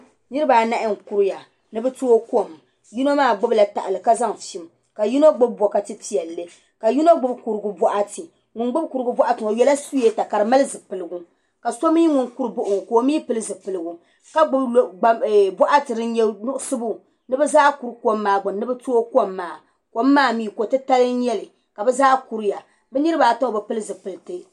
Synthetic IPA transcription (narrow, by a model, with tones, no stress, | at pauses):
nɨ˦ɾɨ˦ba˨na˦ʔɪ˦ŋ˨ku˦ɾja˨ | nɨ˦bɛ˦to˦o˦ko˦˨m | ju˦no˦maː˦˨ɡ͡bʊ˦bla˨ta̰˨ʔa˨lɨ˨ka˦za˦ŋʃi˦m | ka˨ji˦no˦ɡ͡bʊ˦b̚bɔ˨ka˨tɨ˦ti˦jɛ˨lːɨ˦ | ka˨ju˦no˦ɡ͡bʊ˦bku˨ɾɨ˨ɡʊ˦bɔ˦ʔa˦tɨ˨ | ŋʊ˨nɡ͡bʊ˦bku˨ɾɨ˦ɡʊ˦bɔ˦ʔa˦tɨ˨ŋo˨jɛ˦la˦su˦e˦ta˨ka˨ɾɨ˨ma˦lɨ˦zɨ˨pɨ˨lɨ˨ɡu˦ | ka˨so˦mi˦ŋʊ˨nku˦ɾɨ˨bʊ˦ʔʊ˨ŋ˨ko˨˦miː˦pɨ˦lɨ˦zɨ˨pɨ˨lɨ˨ɡu˨ | ka˦ɡ͡bʊ˦bɡ͡ba˨bɔ˦ʔa˦tɨ˨ɾɨ˦nɲɛ˦nʊ˦ʔʊ˦sɨ˦bu˦˨ | nɨ˦bɛ˦zaː˦ku˨ɾko˦mː˦aː˨ɡ͡bʊ˨nnɨ˦bɛ˦to˦o˦ko˦mːaː˨ | ko˦mː˦aː˦˨miː˦˨ko˨tɨ˦ta˦lɨ˦n˦ɲɛ˦lɨ˨ | ka˨bɛ˦zaː˦ku˨ɾja˨ | bɛ˦nɨ˦ɾɨ˦baː˨to˦ŋo˨bɨ˨pɨ˦lɨ˦zɨ˨pɨ˨lɨ˨tɨ˦